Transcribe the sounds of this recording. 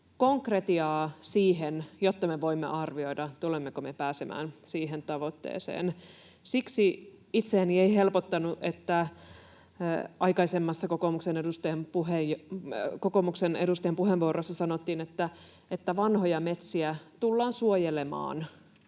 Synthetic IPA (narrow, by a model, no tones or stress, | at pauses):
koŋkret̪iɑːsiːɦenjot̪ːɑmeʋo̞imːḛʔɑrʋio̞idɑt̪ulemːekomepæːsemʔæ̰ːnsiːɦent̪ɑʋo̞t̪ːḛːsḛːn | siksi | it̪seænieihe̞lpot̪ːɑnuʔet̪ːæ | ʔɑjkɑisemːɑsːɑkokomuksenedust̪ɑempuɦejkokomuksenḛdust̪ɑempuɦeʋʋuorosːɑsɑnot̪ːiːnet̪ːæ | et̪ːæʋɑnhojɑmet̪siæt̪ulːɑːnsuojelemɑ̰ːn